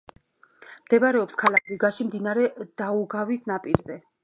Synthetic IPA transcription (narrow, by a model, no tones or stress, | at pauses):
md̪̥ɛbaɾɛɔpskʰalakʰɾiɡaʃimd̪inaɾɛd̪̥auɡavisnapʼiɾzɛ